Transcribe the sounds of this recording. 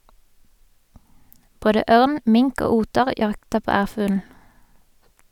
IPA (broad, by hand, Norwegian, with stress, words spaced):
ˈboːdə ˈøːʁn ˈmɪŋk ˈoː ˈuːtəʁ ˈjɑktəʁ ˈpoː ˈæːʁfʉːln̩